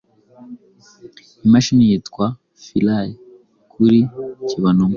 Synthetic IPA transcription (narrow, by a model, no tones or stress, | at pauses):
imaʃinijitkwa | filaj | kʰuɾiciβanoŋ